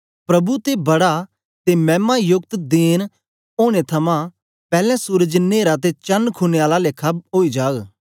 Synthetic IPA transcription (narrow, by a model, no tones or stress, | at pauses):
pɾɐbut̪ebɐɽa | t̪emɛ̃ːmajʊkt̪d̪eːn | oːɽ̃et̪ʰɐmã | pɛːlɛ̃suːɾəd͡ʒneːɾat̪̬et͡ʃɐnkʰuneaːlaleːkʰːaɦoːid͡ʒaːɡ